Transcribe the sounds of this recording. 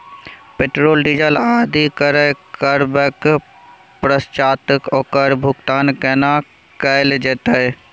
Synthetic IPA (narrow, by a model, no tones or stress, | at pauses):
peʈɾoːlɖid͡ʒəlaːd̪ikəɾəkəɾbək | pɾəst͡ʃaːt̪əkɔːkəɾbʱʊɡt̪aːnkɛːna | kəɪld͡ʒeːt̪ə